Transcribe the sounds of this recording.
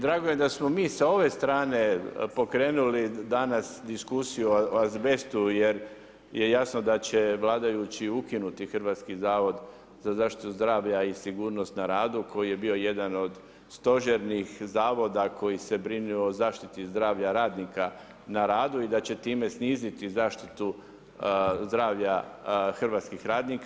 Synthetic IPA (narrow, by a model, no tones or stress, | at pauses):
d̪ɾaːɡojed̪asmo̞miːsao̞ʋe̞st̪ɾaːne̞po̞kɾe̞ːnulid̪anasd̪iskusijuoazbe̞st̪uje̞ɾ | je̞jasnod̪at͡ɕe̞ʋlˠaːd̪ajut͡ɕiukinut̪ixr̩ʋaːt̪skizaːʋo̞d̪ | z̥azaːʃt̪i̥t̪uzd̪ɾaːʋʎaisiɡuːɾno̞st̪naɾaːd̪ukʰo̞jije̞bio̞je̞d̪ano̞d̪ | st̪o̞ʒeɾnixzaːʋo̞d̪ako̞jise̞bɾiniozaːʃt̪it̪izd̪ɾaːʋʎaɾaːd̪nika | naɾaːd̪uid̪at͡ɕe̞t̪iːme̞sniːzit̪izaːʃt̪it̪u | zd̪ɾaːʋʎaxr̩ʋaːt̪skixɾaːd̪nik